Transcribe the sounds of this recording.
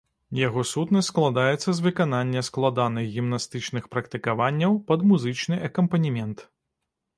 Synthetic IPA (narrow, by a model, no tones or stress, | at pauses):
jaɣɔsut̪nɐsklˠad̪ajɛt̪sːɐzvɨkananʲːɐsklˠad̪anɨɣɣʲimnast̪ɨt͡ʂnɨxpɾɐkt̪ɨkavanʲːɐwpɐd̪muzɨt͡ʂnɨʔɐkɐmpɐnʲimʲɛnt̪